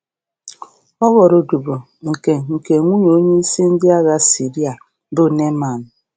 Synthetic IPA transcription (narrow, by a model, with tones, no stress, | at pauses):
ɔ˦ɣɔ˨ɾo˨du˨bo˨ | ŋ̩˨ke˨ŋ̩˨ke˨ŋʷu˦ɲo˨o˦ɲe˦i˦si˦n̩˦dɪ˦a˦ɣa˦si˨ɾi˦a˨ | bʊ˦ne˦ma˨n˨